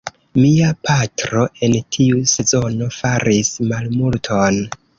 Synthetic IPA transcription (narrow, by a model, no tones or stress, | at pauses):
miapʰatɾo̞ʔe̞ntʰiuse̞zo̞no̞faɾismalmultʰon